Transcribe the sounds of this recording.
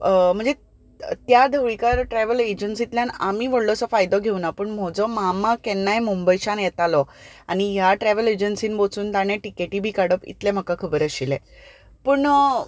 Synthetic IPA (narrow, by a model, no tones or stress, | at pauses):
m̤əɳd͡ze | t̪jad̪ʱəwɭikaɾʈɾɛʋəled͡ʑənsit̪ljanamiːʋəɽlɔsɔfajd̪ɔɡʱeunapəːɳm̤ɔd͡zɔmamakɛnːajmumbəjɕanjɛt̪alɔ | añijaʈɾɛʋəled͡ʑənsiːnbot͡suːnt̪añẽʈikeʈiːbʱiːkaɽəpḭt̪lem̤əkakʰəbəɾəɕile | pəːɳ